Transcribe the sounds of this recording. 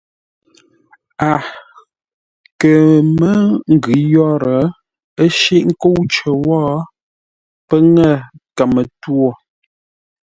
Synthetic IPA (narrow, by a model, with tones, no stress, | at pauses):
a˨ | kə˨mə˦ŋ̩˨ɡʉ˨˦jɔ˦ɾə˨˦ | ə˦ʃi˦˨ʔŋ̩˦ko˦wt͡ʃə˨wɔː˦ | pə˦ŋə˦˨ka˨mə˨two˦˨